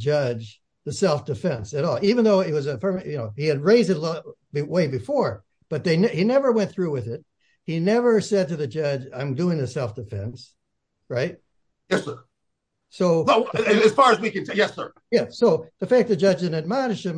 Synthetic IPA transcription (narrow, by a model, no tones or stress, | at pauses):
d͡ʒʌd͡ʒ | ðɨsɛlˠfd̥ɨfɛ̃nsɨɾɔlˠivɨ̃n̩ðoʊɨt̚wʌzɨfɜ̃˞mjɨnoʊiɨd̚ɹeɪzdɨtˡl | bɨweɪbɨfɔɹ | b̥ʌt̪̚ðeɪnhinɛvə˞wɛ̃nθɹʉwɪðɪt̚ | hinɛvə˞sɛd̚tɨðɨd͡ʒʌd͡ʒã̰ɪ̃mdʉɪ̃ŋðɨsɛlˠfd̥ɨfɛ̰̃ns | ɹaɪt̚ | jɛsə˞ | soʊðɨɨz̥fɑɹɨzwikɨ̃ntʰjɛsə̰˞ | jæsoʊðɨfæk̚ðɨd͡ʒʌd͡ʒɨ̃nɨd̚maɪɾɨʃɨ̃m